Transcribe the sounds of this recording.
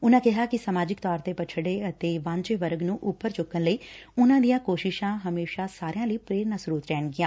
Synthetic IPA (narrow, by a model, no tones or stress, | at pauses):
ʊnãːkɪɦaːkɪsəmaːd͡ʒɪkt̪ɔːɾt̪eːpət͡ʃʰɽeːət̪eːʋãːɲt͡ʃeʋəɾɡnũːʔʊpːəɾt͡ʃʊkːənləiːʊnãːd̪ijãːkoːʃɪʃãːɦəmeːʃaːsaːɾɪjãːləiːpɾeːɾnasɾuːt̪ɾɛːɳɡɪːãː